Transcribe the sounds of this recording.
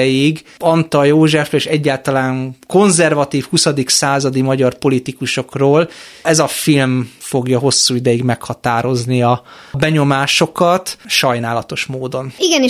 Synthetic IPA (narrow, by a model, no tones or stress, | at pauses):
ɛjiɡɒnt̪ɒjoːʒɛfeːʃɛɟːaːlt̪ɒlaːŋko̞nzɛrvɒt̪iːfhusɒd̪iksaːzɒd̪imɒɟɒrpo̞lit̪ikuʃo̞kroːlɛzɒfilmfo̞ɡjɒɦo̞sːuːid̪ɛjiɡmɛkhɒt̪aːɾo̞zniɒ | bɛɲo̞maːʃo̞kɒt̪ʃɒjnaːlɒt̪o̞ʃmoːd̪o̞niɡɛni